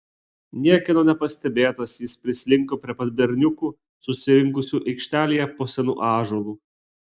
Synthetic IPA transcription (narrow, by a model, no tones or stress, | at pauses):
nʲiɛkʲɛnoːnʲɛpɐsʲt̪ʲɛbʲeːt̪ɐsjɪspʲɾʲɪsʲlʲɪŋkoːpʲɾʲiɛpɐt̪ʲbʲɛɾʲnʲʊkuː | sʊsʲɪɾʲɪŋkʊsʲuːʔɛɪkʃʲt̪ʲæːlʲijɛpoːsʲɛnṵːʔɑːʒoːlˠuː